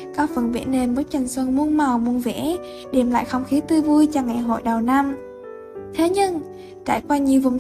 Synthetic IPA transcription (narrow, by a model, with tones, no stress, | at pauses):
kɔ˨˦˥kfə˧˩nvḭ˧˩ne˧nɓo˨˦˥t̚t͡ɕa˨˩jŋ̟swə˧˩nmu˧ənma˨˩wmu˨˧˩ənvḛ˧˥ | ɗe˧˩mla̰ː˧˨jxə˧wŋ͡mxi˨˦t̪ɨ˧vu˧jt͡ɕa˧˩ŋa˨˩jɦo̰˧˨jɗə˨˩wna˧m | t̪ʰe˨˦ɲɨ˧ŋ | t͡ɕa̰ː˧˩jkwaː˧ɲi˨˩əwvʊ˨˩ŋ͡m